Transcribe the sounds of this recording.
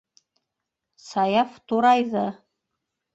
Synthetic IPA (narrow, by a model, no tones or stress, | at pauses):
sɑjɑft̪uɾɑjðɤ